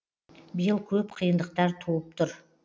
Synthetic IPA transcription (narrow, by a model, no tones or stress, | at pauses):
bɪjəlˠkʲʰɵpqʰəjənd̪əq̚t̪ɑɾt̪ʰuəp̚t̪ʰʊɾ